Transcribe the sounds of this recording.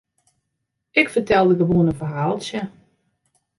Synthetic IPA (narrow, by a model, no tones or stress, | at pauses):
ɪkfərtɛlˠdəɡəʋuənəfəɦaːlˠsjə